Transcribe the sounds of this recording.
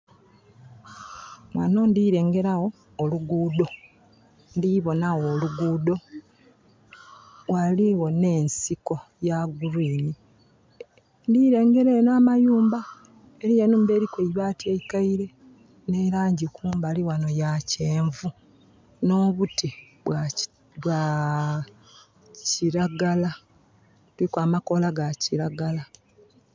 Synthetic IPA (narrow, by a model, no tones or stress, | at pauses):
wa̰no̞ndiɾe̞ːŋɡe̞ɾaɣo̞ː | luɡuːdo̞ | ndiβo̞naɣoluɡuːdo̞ | waliwo̞ne̞ːnsiko̞ | jaɡuɾiːni | ndiɾe̞ːŋɡe̞ɾenaːmajuːmba | eɾijenuːmbe̞ːɾikweiβaːtieikaiɾe̞ | neɾaːɲɟikʰuːmbaliwano̞jaceːɱvu | no̞ːβuti | βwa | βwa | ciɾaɡala | uikwaːmako̞laɡaciɾaɡala